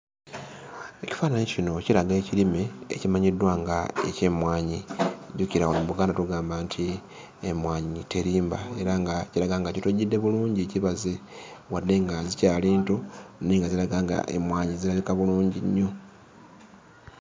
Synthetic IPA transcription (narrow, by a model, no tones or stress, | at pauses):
e̞ci̥faːnanicino̞cilaɡe̞ːcilime̞̰ːcimaɲidːwaŋɡaḛce̞mwaːɲiɟuciɾawonomuβuɡaːndatuɡaːmbantʰi | emwaːɲiite̞ɾiːmba̰e̞ɾaŋɡaciɾaɡaŋɡacituɟidːe̞βuluːɲɟiciβaze̞ | wadːe̞ŋɡazicaːliːntoniŋɡazilaɡaːŋɡa̰ʔḛmwaːɲizilaβikaβuluːɲɟiɲːo̞